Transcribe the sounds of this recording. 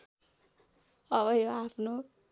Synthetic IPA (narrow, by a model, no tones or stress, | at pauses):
ʌβʌjoapʰno